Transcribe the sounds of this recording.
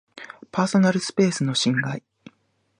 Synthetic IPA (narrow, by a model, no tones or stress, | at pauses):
paːso̞naɾɯ̟sɨ̥pe̞ːsɨno̞ɕĩŋɡai